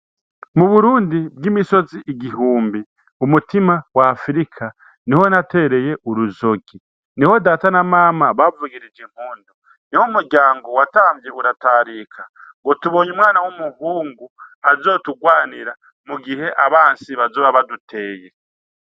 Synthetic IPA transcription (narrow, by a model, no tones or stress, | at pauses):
muβuɾuːndib̚ɡimiso̞ziʔiɡihuːmbi | umutimawaːfɾikʰa | niho̞nate̞ɾe̞je̞ʔuɾuzo̞ɡi | niho̞daːtanamaːmaβavuɡiɾid͡ʒeŋ̥huːndo | nihomuɾɟaːŋɡo̞wataːmvje̞ʔuɾataːɾikʰaŋɡo̞tuβo̞ɲumŋaːnawumuhuːŋɡuazo̞ːtuɡwaːniɾa | muɡihe̞ʔaβaːnsiβazoːβaβadutʰe̞ːje̞